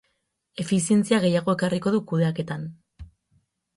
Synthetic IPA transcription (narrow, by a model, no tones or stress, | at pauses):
e̞fisie̞nt͡siaɣ̞e̞jaɣ̞o̞e̞kariko̞ðukuðe̞ake̞t̪an